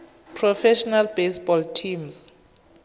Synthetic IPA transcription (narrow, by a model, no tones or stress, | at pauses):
pʰrɔfɛʃɔnalbesbɔltʰims